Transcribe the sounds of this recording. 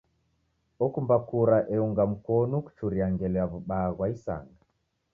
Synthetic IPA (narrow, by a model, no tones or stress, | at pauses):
ɔkumbakuɾaʔɛuŋɡam̩kɔnɔku̥t͡ʃuɾiaŋɡɛlɛaβuɓaɣwaisa̰ŋɡa